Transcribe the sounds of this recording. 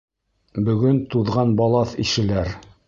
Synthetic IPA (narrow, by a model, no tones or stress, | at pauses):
bɵ̆ɡɵnt̪uðʁɑnbɑlˠɑθiʃɘ̆læɾ